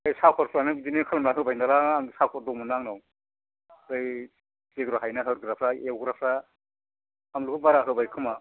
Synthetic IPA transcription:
ɯjsakʰɔɾslanɯbidinikʰalmlaɦɯbajnalaːŋsakʰɔɾ̚dɔmunaŋnaw | ɯj | zeɡɾɔɦajnaɦɯɾɡɾapʰɾaewɡɾapʰɾa | amlukubaɾaɦɯbajkʰɯma

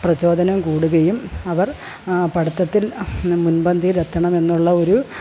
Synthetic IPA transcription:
prɐt͡ɕo̞ːd̪ɐnɐmkuːɽuɣɐjumɐʋɐr | pɐɽɐt̪ːɐt̪ːilmunbɐnd̪ʱiɾet̪ːɐɳɐme̞nːuɭːɐo̞ɾu

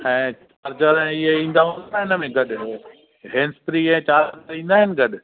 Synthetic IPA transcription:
ɛ̃ːt͡ɕaːɾd͡ʑəɾ̃ɪɦeĩːn̆d̪aɦũnd̪aɾɪnəmẽɡɐɗɪo | ɦɛ̃ːnst̪ɾiɛ̃ːt͡ɕaːɾd͡ʑaɾĩːn̆d̪aːɦɪnɪ̆ɡɐɗɪ̆

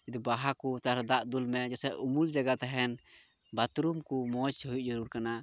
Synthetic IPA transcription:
ɛd̪ubaɦakut̪aɾɛd̪aʔd̪ulmɛd͡ʒɛsɛʔumuld͡ʒaɡat̪aɦɛn | bat̪ɾumkumɔt͡ʃɦuit̚d͡ʒɔɾuɾkana

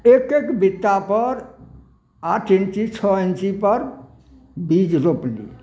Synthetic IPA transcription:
ekekbit̪ːapəɾ | aʈʰint͡ʃit͡ʃʰɔint͡ʃipəɾ | bid͡ʒɾoplḭ

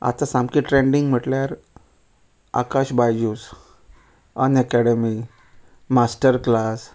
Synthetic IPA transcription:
a̰t̪asãmkiʈɾeɳɖĩŋɡm̤əʈljaɾ | a̰kaɕbajjus | ənɛkɛɽemi | masʈəɾklas

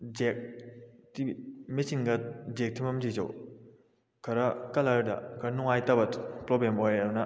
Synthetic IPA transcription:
d͡ʒek̚timisinɡɐd͡ʒek̚tʰimɐmd͡ʒizɐ̰w | kʰɐɾɐkɐlaɾdɐ̰ɡɐnuŋajtɐbɐtpɾɔblemojɐdunɐ

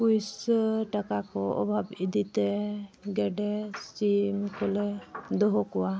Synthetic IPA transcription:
pujsʈakakɔɔ̰bʱabid̪it̪ɛɡɛɖɛsimkɔlɛd̪ɔɦɔkɔwa

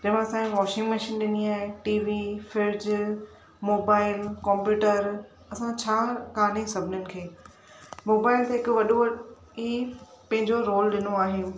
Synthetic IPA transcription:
d͡ʑɐɦmãɐsãʋɔːʃɪ̃ŋɡmɐʃiːnɗɪniaːɦeʈiːʋifɪɾd͡ʑ | moːbaːɪlkɔ̃ːmpjuːʈəɾ | ɐsãt͡ɕʰaːkaːnesɐbʱɪnənɪ̆kʰeː | moːbaːɪlt̪eɦɪkʊʋɐɗoɐ | iː | pɐ̃ɦɪ̃ɲd͡ʑoɾoːlɗɪnoaːɦɪnɪ̆

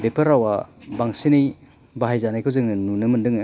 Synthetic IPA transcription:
bepʰɐɾawabaŋsinij | baɦajzanajkʰɯwzɯŋnɯnunɯmɯndɯŋ

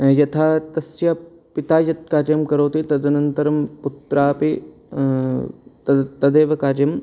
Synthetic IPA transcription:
jɐt̪ʰaːt̪ɐsjɐ | pit̪aːjɐt̪̚kaːɾjɐmkɐɾoːt̪it̪ɐd̪ʱɐnɐnt̪ɐɾɐmput̪ɾaːpi | ɐt̪ɐd̪eːʋɐkaːɾjɐm

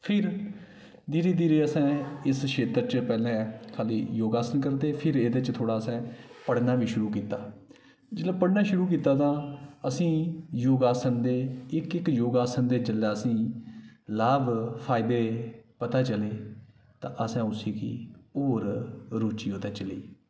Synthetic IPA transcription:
pʰɪɾ | d̪iːɾeːd̪iːɾeːəsɛ̃ːɪsʃʰeːt̪əɾt͡ʃəpɛːlɛ̃ːkʰaːliːjoːɡaːsənkəɾd̪eːpʰɪɾeːd̪et͡ʃt̪ʰoːɽaːəsɛ̃ːpəɽnaːʋiːʃʊɾuːkiːt̪aː | d͡ʒɪlɛ̃ːpəɽnaːʃʊɾuːk̬iːt̪aːt̪ãːəsĩːjoːɡaːsənd̪eːɪkɪkjoːɡaːsənd̪eːt͡ʃəlːaːəsĩː | laːbpʰaːɪd̪eːpət̪aːt͡ʃəleː | t̪ã̰ːʔəsɛ̃ːʊsiːkḭːoːɾɾoːt͡ʃiːɦoːt̪aːt͡ʃəlḭː

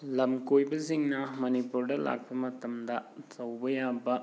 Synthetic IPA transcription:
lɐmkojbɐziŋnɐmɐnipuɾɖɐlʔa̰k̚bɐmɐt̪ɐmd̪ɐsɐwbɐjaːbɐ

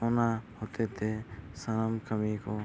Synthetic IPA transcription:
oːnahoːt̪et̪ʰesənəmkəmiko

